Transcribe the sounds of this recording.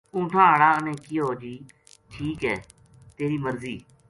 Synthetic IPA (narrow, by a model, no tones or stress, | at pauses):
ũːʈʰãːəɽaːənẽːkiːɦoːd͡ʒiː | ʈʰiːkɦɛː | t̪eːɾiːməɾziː